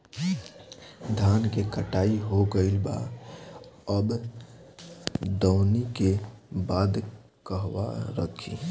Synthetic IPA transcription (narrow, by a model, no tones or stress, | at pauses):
d̪ʱaːnkekəʈaːiɦoɡəɪlba̰ | əb | d̪əʊnikebaːd̪ | kəɦwa̰ɾə̰kʰḭ